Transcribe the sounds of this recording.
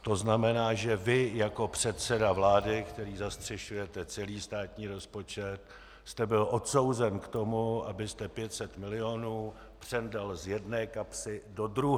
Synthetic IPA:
t̪o̞znamɛnaːʒɛvɪjako̞pr̝̥ɛt̪sɛdavlaːdɪkt̪ɛɾiːzast̪r̝̥ɛʃujɛt̪ɛt͡sɛliːst̪aːt̪ɲiːɾo̞spo̞t͡ʃɛt̪̚ | st̪ɛbɪlʔo̞t̪so̞wzɛnkt̪o̞muʔabɪst̪ɛpjɛt̪sɛt̪mɪlɪjonuː | pr̝̥ɛndalzjɛdnɛːkapsɪdo̞d̪ɾuɦ

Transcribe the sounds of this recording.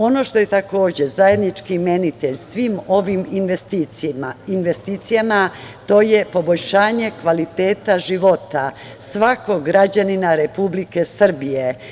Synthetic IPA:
o̞no̞ʃt̪o̞je̞t̪ako̞ːd͡ʑezaje̞d̪nit͡ʃkime̞nit̪eʎsʋimo̞ʋim | inʋest̪it̪sijamat̪o̞je̞po̞bo̞ʎʲʃaːɲe̞kʋalit̪e̞ːt̪aʒiʋo̞t̪a | sʋako̞ɡɾad͡ʑaninaɾe̞publike̞sr̩bije̞

